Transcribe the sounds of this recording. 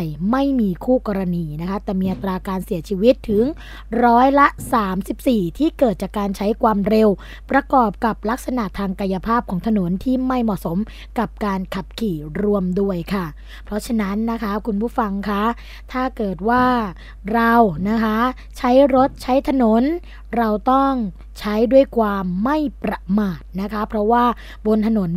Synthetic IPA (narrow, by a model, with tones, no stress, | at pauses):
jma˥˩jmiː˧kʰuː˥˩kɔː˧ɾa˧niː˧na˦˥kʰa˦˥t̪ɛː˨˩miː˧ʔa˨˩t̪ɾaː˧kaː˧nsi˩˦ɐt͡ɕʰiː˧wi˦˥t̪ʰːɯ˩˦ŋ | ɾɔː˦˥jla˦˥saː˩˦msi˨˩p̚siː˨˩t̪ʰiː˥˩kɤː˨˩t̪̚t͡ɕaː˨˩kːaː˧nt͡ɕʰa˦˥jkʰwaː˧mɾe˧w | pɾa˧kɔː˨˩p̚ka˨˩p̚la˦˥k̚sa˧na˨˩t̪ʰːaː˧ŋka˧ja˧pʰaː˥˩p̚kʰɔː˩˦ŋt̪ʰa˧no˩˦nt̪ʰiː˥˩ma˥˩jmɔ˨˩so˩˦m | ka˨˩p̚kaː˧nkʰa˨˩p̚kʰiː˨˩ɾu˧əmdu˥˩əjkʰa˥˩ | pʰɾɔ˦˥t͡ɕʰa˧na˦˥nːa˦˥kʰa˦˥kʰu˧npʰuː˥˩fa˧ŋkʰa˦˥ | t̪ʰaː˥˩kɤː˨˩t̪̚waː˥˩ | ɾa˧wna˦˥kʰa˦˥ | t͡ɕʰa˦˥jɾo˦˥t̪̚t͡ɕʰa˦˥jt̪ʰa˧no˩˦n | ɾa˧wt̪ɔ˥˩ŋ | t͡ɕʰa˦˥jdu˥˩əjkʰwaː˧mːa˥˩jpɾa˧maː˨˩t̪̚na˦˥kʰa˦˥pʰɾɔ˦˥waː˥˩ | bo˧nt̪ʰa˧no˩˦n